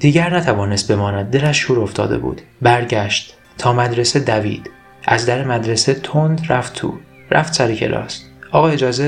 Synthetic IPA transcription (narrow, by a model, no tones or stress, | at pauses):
d̪̥iːɟæɾnæt̪ʰævɒːnest̪̚be̞mɒːnæd̪̚ːelæʃːuːɾo̞ft̪ʰɒ̰ːd̪e̞̰bṵːd̪̥bæɾɟæʃt̪ | t̪ʰɒːmæd̪ɾesed̪ævḭːd̪̥ | ʔæzd̪æɾemæd̪ɾe̞set̪ʰond̪ɾæft̪ʰːṵː | ɾæ̰ft̪sæɾicʰḛlʔɒ̰ːs | ʔɒːɣɒːed͡ʒɒːze